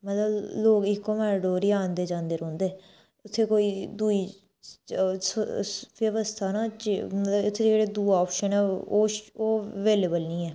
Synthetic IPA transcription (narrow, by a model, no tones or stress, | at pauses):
mət̪ləbloːɡɪkːoːmɛːɾɖoːɾiːãːnd̪eːd͡ʒãːnd̪eːɾɔ̃ːnd̪eː | ʊt̪ʰːeːkoːiːd̪uiː | sʋjəʋəst̪ʰaːnãːt͡ʃmət̪ləbʊt̪ʰːeːd͡ʒeːɽeːd̪uːɔːpʃənɛːoːoːʋeːleːbəlnĩːɛː